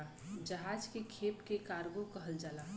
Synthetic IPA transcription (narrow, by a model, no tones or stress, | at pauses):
a | d͡ʒəɦad͡ʒkekʰepkekaɾɡokəɦəld͡ʒaːla